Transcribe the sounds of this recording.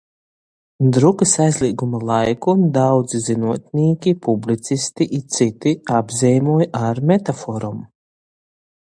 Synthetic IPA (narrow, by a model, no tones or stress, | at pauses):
d̪ɾukɨsajzlʲiːɡumalˠajkud̪awd̪zzinuɔt̪̚nʲiːkʲipublit̪sist̪iʔit̪sit̪iabzɛjmuɔjaɾmet̪afɔɾum